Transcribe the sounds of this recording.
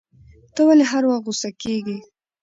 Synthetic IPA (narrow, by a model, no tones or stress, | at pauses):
t̪əwaleɦaɾwaxɣusakeɡi